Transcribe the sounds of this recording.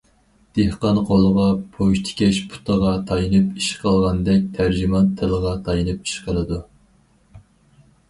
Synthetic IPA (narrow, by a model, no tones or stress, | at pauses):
d̪̥ehqɑnqʰolˠəʁɑpʰoʃt̪ʰkʲɛʃpʰu̥t̪ʰəʁɑt̪ʰɑjinɨpiʃqʰəlˠʁɑnd̪ɛk̚ʲt̪ʰæɾd͡ʒimɑnt̪ʰɪlˠəʁɑt̪ʰɑjinɨpi̥ʃqʰəlˠɨd̪u